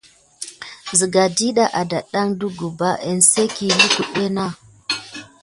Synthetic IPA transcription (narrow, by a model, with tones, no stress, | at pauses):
zi˨ɡa˨di˦ɗa˦ʔa˨da˨ɗa˦ŋdu˦ɡu˨ba˦ʔe˨nse˦ki˨lu˦ku˨ɗe˦na˦